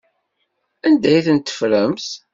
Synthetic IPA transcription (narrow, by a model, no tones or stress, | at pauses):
ænd̪æjθənt̪ːə̥fɾəmθ